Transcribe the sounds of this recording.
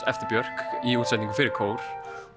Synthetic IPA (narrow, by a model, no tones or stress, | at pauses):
ɛft̪ɪɾbjœɾ̥kiuːt̪sɛt̪niŋkʏ̥fɪːɾɪɾkʰoːwɾ̥